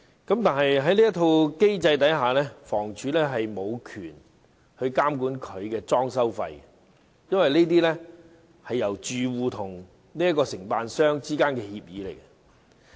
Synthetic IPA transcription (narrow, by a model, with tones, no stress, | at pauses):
kɐ˨˥mt̪aː˨nɦɐ˨jɦɐ˨˥jliː˥jɐ˥t̪ʰo˧wke˥jt͡sɐ˧jt̪ɐ˨˥jɦaː˨lɛː˥fɔː˨˩ŋt͡ʃʰyː˨˧lɛː˥ɦɐ˨jmo˨˧wkʰyː˨˩n | hɵ˧ɥkaː˥mkuː˨˥nkʰɵ˨˧ɥkɛː˧t͡sɔː˥ŋsɐ˥wfɐ̰˧jɛ | jɐ˥nwɐ˨jneː˥t̪iː˥lɛː˥ | hɐ˨jːɐ˨˩wt͡ʃyː˨wuː˨t̪ʰʊ˨˩ŋ | niː˥jɐ˥tkɔː˧sɪ˨˩ŋpaː˧nsœː˥ŋt͡siː˥kaː˥nkɛː˧hiː˧p̚jiː˨˧le˨˩jkɐ˥